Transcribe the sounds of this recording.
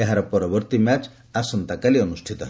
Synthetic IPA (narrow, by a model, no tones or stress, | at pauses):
eɦaɾɔpɔɾɔbɔɾt̪imat͡ʃ | asɔnt̪akaliɔnusʈʰit̪ɔɦ